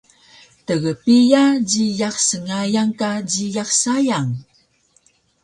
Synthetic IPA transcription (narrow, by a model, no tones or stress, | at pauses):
təɣəpijad͡ʑijaχsəŋajaŋkad͡ʑijaxsajaŋ